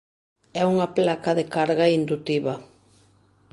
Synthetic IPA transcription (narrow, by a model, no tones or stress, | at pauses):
ɛuŋɐplakɐðekaɾɣaind̪ut̪iβɐ